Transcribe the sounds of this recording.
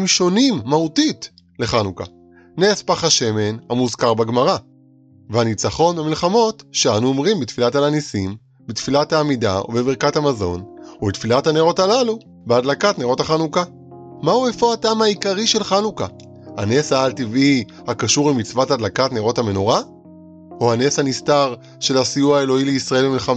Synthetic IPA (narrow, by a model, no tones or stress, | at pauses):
mʃo̞nimːautit | le̞χanuka̰ | nespaχaʃe̞me̞nhamuzkaʁbaɡmaʁa | veanit͡saχo̞nbemilχamo̞tʃeanuomʁimbitfilatalanisim | bit̪filathaːmida̰ṵvebeʁkathamazo̞nubet̪filathaneʁo̞talalu | beadlakatneʁo̞thaχanuka | mauefo̞atamhaikaʁiʃe̞lχanuka | haneshaːltivʔi | hakaʃuʁimit͡svatadlakatneʁo̞thame̞no̞ʁa | ohaneshanistaʁ | ʃe̞lasijuae̞lo̞ileisʁae̞lbemilχam